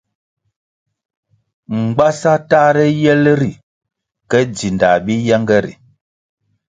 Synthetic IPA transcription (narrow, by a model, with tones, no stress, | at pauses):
ŋ͡m̩˨ɡ͡ba˦sa˦taː˦ɾɛ˦jɛ˦lɾi˨ | kɛ˦d͡zi˨nda˨bi˦ja˦ŋɡɛ˦ɾḭ˨